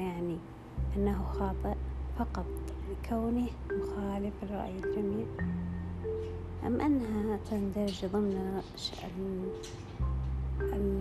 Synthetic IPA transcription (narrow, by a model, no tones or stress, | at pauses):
jaʕni | ʔanːaɦʊxɑːt̪ˤɨʔfɑqɑt̪ˤkʰawni | mʊxaːlɪfɪrˤːɑ̰ʔjɪld͡ʒamiːʕ | ʔa̰mːʔanːɦat̪and̪aɾˤd͡ʒðˤɨmn | ʃ